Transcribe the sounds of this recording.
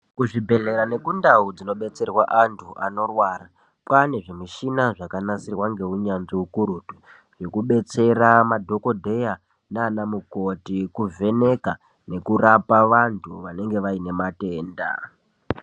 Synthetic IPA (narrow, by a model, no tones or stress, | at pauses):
kuʐibʱe̞ɮe̞ɾane̞kundaud͡zino̞ɓe̞t͡se̞rwaʔantʰuʔano̞rwaːra | pwane̞ʐemiʃinaʐakanasirwaŋɡe̞uɲanʐiukuɾutu | ʐ̥e̞kuɓe̞t͡se̞ramadʱo̞ko̞dʱe̞ja | naːnamuko̞tikuve̞ne̞ka | ne̞kurapaʋantʰuʋane̞ŋɡe̞ʋaine̞mate̞ːnda̰